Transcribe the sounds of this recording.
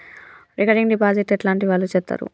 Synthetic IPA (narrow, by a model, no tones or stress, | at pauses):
ɾekaɾɖiŋɖibaːd͡ʒeʈːeʈlaːɳʈiʋaːlːut͡ʃɛp̚t̪ːa̰ːɾṵ